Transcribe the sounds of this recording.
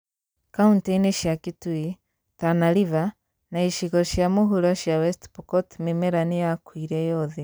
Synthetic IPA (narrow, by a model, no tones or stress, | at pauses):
kaunteneʃjakitui | tanaliva | naiʃiɣɔʃjamuɦulɔʃjawɛstpukɔtmimɛɾanijakwiɾɛjɔðɛ